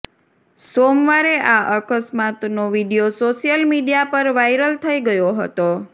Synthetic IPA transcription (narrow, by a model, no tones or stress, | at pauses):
somʋaɾeʔaʔəkəsmat̪noʋiɖijosoʃijəlmiɖijapəɾʋajɾəlt̪ʰəiɡəjoɦət̪o